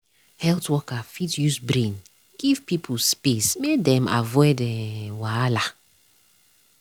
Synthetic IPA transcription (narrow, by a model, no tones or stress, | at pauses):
hɛltwɔkafitjusbɾĩn | ɡ̥iv̥pipʰulspesmedɛ̃ma̰vɔdɛ̃wala